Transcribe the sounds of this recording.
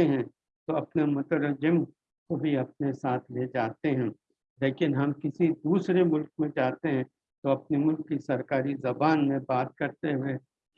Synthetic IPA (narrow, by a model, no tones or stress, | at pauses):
eɦɛ̃ | t̪oɐpnamʊt̪əɾəd͡ʒəm | kobʱiɐp̚nesaːt̪ʰleːd͡ʒaːt̪eɦɛ̃ː | leːkɪnɦɐmkɪsid̪uːsɾemʊlk̚mẽt͡ʃaːt̪eɦɛ̃ | t̪oɐpnemʊlkːisɐɾkaːɾizɐbaːnmẽbaːt̪̚kɐɾt̪eɦʊe | k